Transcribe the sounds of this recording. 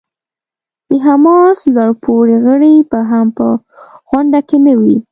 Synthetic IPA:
d̪̥əɦamɑslɑɽpʰoɾeɣəɽebaɦampə | ɣwaɳɖakenawi

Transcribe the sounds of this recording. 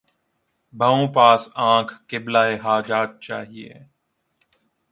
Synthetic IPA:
bʱəõpaːsãːkʰkɪblaːeɦaːd͡ʒaːt̪̚t͡ʃa̰ːɦiḛː

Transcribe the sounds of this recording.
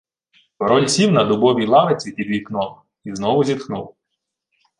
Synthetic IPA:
pɔɾɔlʲsʲiwnɐd̪ʊbɔʋʲijlˠɑʋet͡sʲipʲid̪ʲʋʲiknɔw | iznɔʋʊzʲit̪xnṵw

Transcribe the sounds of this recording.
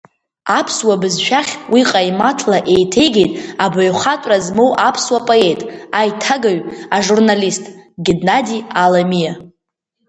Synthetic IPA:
apʰswabɨzʃᶣaχʲwiqʼajmatʰlaʔe̞jtʰe̞jɡʲe̞jtʼabaɥχatʷʼrazmo̞wʔapʰswapʼoe̞tʼajtʰaɡaɥaʐurnalistʼɡʲidnadialamija

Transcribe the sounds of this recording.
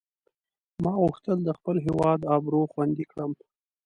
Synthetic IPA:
mɑɣʊxt̪əld̪əxpəlɦewɑd̪ɑbɾoxwand̪ikɽəm

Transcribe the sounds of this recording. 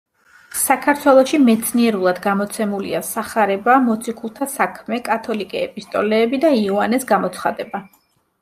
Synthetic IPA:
sakʰaɾt̪ʰwɛlˠɔʃimɛt̪sʰniɛɾulˠad̪ɡamɔt̪sʰɛmulḭasaχaɾɛbamɔt̪sʰikʰulˠt̪ʰasakʰmɛkʼat̪ʰɔlikʼɛɛpʼist̪ʼɔ̰lɛːbid̪aiuanɛsɡamɔt̪sʰχa̰d̪ɛba

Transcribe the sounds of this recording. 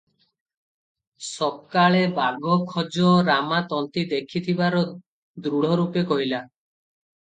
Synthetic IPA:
sɔb̚kaɭebaɡʱɔkʰɔd͡ʒɔɾamat̪ɔnt̪id̪ekʰit̪ʰibaɾɔ | d̪ɾuɽ̤ɔɾupekɔɦila

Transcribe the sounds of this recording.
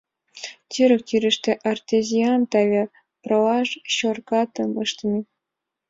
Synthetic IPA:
t̪ʲyɾɘ̆k̚t̪ʲyɾɘ̆ʃt̪ĕʔɑrt̪ʲezʲiɑnt̪ɑvʲe | prɤ̆lɑʃɕorkɑt̪ɤmɤʃt̪mʲi

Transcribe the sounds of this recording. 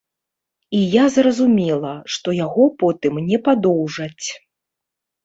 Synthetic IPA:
ijazrɐzumʲɛlˠɐʂt̪ɔjaɣɔpɔt̪ɨmnʲɛpad̪ɔwʐɐt͡sʲ

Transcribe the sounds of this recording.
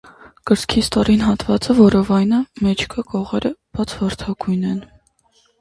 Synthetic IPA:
kəɾskʰist̪ɔɾinɦɑt̪vɑt͡səvɔɾɔvɑjnəmɛt͡ʃʰkʰəkɔʁɛɾəb̥ɑt͡sʰvɑɾt̪ʰɑɡujnɛn

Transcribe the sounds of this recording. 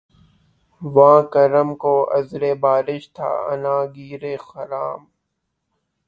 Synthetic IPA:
ʋãːkəɾəmkoːɐ̰zɾeːbaːɾɪʃt̪ʰa̰ːɐ̰nãːɡiːɾeːxɐɾaːm

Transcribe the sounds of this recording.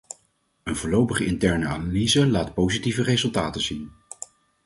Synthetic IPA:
ənvʊːlowpəχəɪntɛɹnəaːnalizəlaːtpowzitivərezɵlˠtaːtənzin

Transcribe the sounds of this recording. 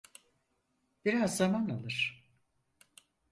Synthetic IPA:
b̥iɾazːamanalˠɯɾ̥

